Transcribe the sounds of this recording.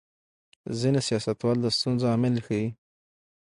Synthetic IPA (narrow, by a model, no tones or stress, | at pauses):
zinesijɑsat̪wɑld̪əst̪unzoɑmɪlxawi